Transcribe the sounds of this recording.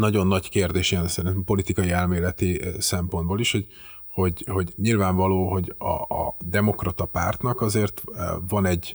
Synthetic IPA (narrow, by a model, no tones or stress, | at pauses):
nɒɟo̞nːɒɟkeːrd̪eːʃijɛnsɛɾint̪ɛmpo̞lit̪ikɒjiɛlmeːlɛt̪isɛmpond̪boːliʃho̞ɟ | ho̞ɟho̞ɟɲilvaːɱvɒloːɦo̞ɟɒ̰d̪ɛmo̞krɒt̪ɒpaːrt̪nɒkɒzeːrt̪vɒnɛɟ